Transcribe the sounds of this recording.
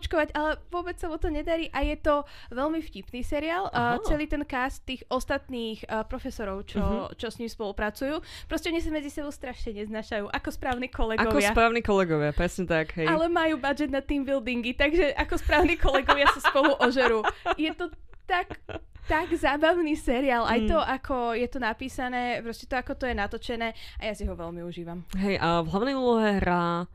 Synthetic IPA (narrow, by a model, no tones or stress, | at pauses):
ɔt͡ʃkɔʋaɟalɛʋʊɔbɛt͡ssamɔt̪ɔɲɛd̪aɾiːʔajɛt̪ɔʋɛʎmifcipniːsɛɾiaːlˠːt͡sɛliːt̪ɛnkast̪ːiːɣʔɔst̪at̪niːxpɾɔfɛsɔɾɔʊt͡ʃɔt͡ʃɔsɲiːmspɔlupɾat͡sujuːpɾɔscɛɔɲis̬amɛd͡zisɛbɔʊst̪ɾaʃɲɛɲɛznaːʃajuːʔakɔspɾaːʊniːkɔlɛɡaɔʋɪsaapɾaːniːkɔlɛɡɔʋɪapɾɛsɲɛt̪akɦɛlɛmajuːbad͡ʒɛd̪nat̪t̪ːiːmbild̪iŋɡit̪aɡʒɛʔakɔspɾaːʊniːkɔlɛɡɔʋɪasaspɔluʔɔʒɛɾuːjɛt̪ɔt̪akt̪aɡzaːbaʊniːsɛɾiaːlʔajt̪ɔʔakʰɔjɛt̪ɔnapiːsanɛːpɾɔscɛ̥t̪ɔakɔt̪ɔjɛnat̪ɔt͡ʃɛnɛːʔajasiɦɔʋɛlmiuʒiːʋamɦɛjʔvlaʊnɛjuːlɔɦɛɦɾaː